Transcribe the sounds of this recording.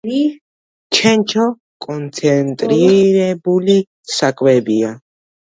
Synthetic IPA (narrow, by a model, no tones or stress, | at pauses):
i | t͡ʃʰɛnt͡ʃʰɔ | kʼɔnt̪sʰɛnt̪ʼɾiɾɛbuli | sakʰʼwɛbia